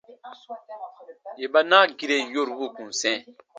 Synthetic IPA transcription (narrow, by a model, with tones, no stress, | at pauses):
je˨ɓa˦na˦ɡi˦ɾe˨jo˦˨ɾwo˦˨kũ˨sɛ̃˦˨